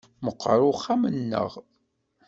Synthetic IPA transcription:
məqːɾˤʊχːamənːə̰ʁ

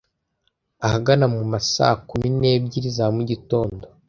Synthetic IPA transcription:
ahaɡanamumasa̰kumine̞ːb̚ɟiɾizamuɟito̞ːndo

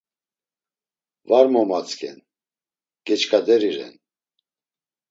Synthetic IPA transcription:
vaɾmɔmat͡skʰɛ̰n | ɡ̥ɛt͡ʃkʰad̪ɛɾiɾɛ̰n

